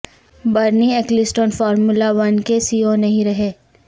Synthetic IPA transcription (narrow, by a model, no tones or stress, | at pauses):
bɐɾniɛːklɪsʈõːnfɔːɾmulaʋɐnkesiːonɐɦĩɾɐɦeː